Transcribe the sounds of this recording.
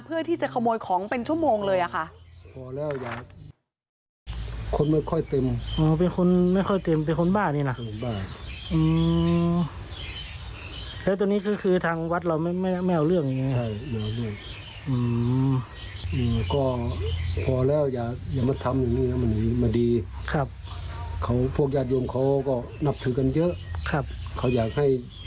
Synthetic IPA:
pʰɯ˥˩ɐt̪ʰiː˥˩t͡ɕa˨˩kʰa˧moː˧jkʰɔː˩˦ŋpe˧nt͡ɕʰu˥˩əmoː˧ŋlɤː˧jʔa˨˩kʰa˥˩ʔpʰɔː˨˦lɛː˥˩wjaː˨˩k̚ | kʰo˧˥nma˥˩jkʰɔ˧˥˩jt̪e˧mʔɯː˧pe˧nkʰo˧˥˨nma˥˩jkʰɔ˥˩jt̪e˧mp̬e˧nkʰo˧˥nbaː˥˩nniː˧˨la˧ʔo˧baː˧˥˩ʔɯː˧ | lɛː˦˥wt̪u˧ŋniː˦˥˩kʰɯː˧kʰɯː˧t̪ʰaː˧ŋwa˧˦˥t̪̚la˧˩wma˥˩ma˥˩jma˥˩˨ʔa˧wlɯ˥˩əŋ̚iː˧˨a˧˩mɛ˧˩˨wlɯ˧˩əŋ | ʔɯː˧ | ʔɯː˧˩kɔː˧˩pʰɔː˧˦lɛː˥˩˨wjaː˨˩k̚jaː˨˩kmaː˧˩t̪ʰa˧mjaː˨˩ŋiː˧˩na˧˥ma˧˨niː˧˥˩maː˧˩diː˧kʰa˧˩p̚kʰa˧˥wpʰu˥˩ək̚jaː˧˩t̪̚jo˧˨mkʰa˧˥˩wkɔː˧˩ | na˧˥p̚t̪ʰɯ˨˧˥ka˧˨njɤ˦˥ʔkʰa˧˩p̚kʰa˧˥wjaː˨˩k̚ha˥˩j

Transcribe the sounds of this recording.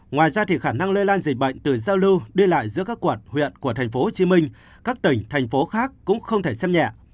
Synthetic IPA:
ŋwaː˨˩jzaː˧t̪ʰi˨˩xaː˧˩na˧ŋle˧laː˧nzi˨˩k̟̚ɓə̰˧˨jŋ̟t̪ɨ˨˩zaː˧wlɨ˧wɗi˧la̰ː˧˨jzɨ̰˧˥əkaː˦˥kːwə˨˩t̚hwḭ˧˨ənku˧˩ət̪ʰɛ˨˩ŋ̟fo˨˦ho˨˩t͡ɕi˨˦mï˧ŋ̟ | kaː˦˥k̚t̪ï˧˩ŋ̟t̪ʰa˨˩jŋ̟fo˨˦xaː˦˥k̚ːʊ̰˧˥ŋ͡mxə˧wŋ͡mt̪ʰe˧˩sɛ˧mɲɛ̰˧˨

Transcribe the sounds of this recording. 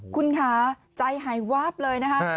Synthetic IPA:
kʰu˧nkʰaː˩˦ | t͡ɕa˧jɦaː˩˦jwaː˦˥˩p̚lɤː˧jna˦˥kʰa˦˥

